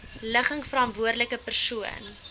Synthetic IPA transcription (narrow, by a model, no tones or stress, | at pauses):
ləχəŋfəɾɑntvuərdələkəpərsuə̰n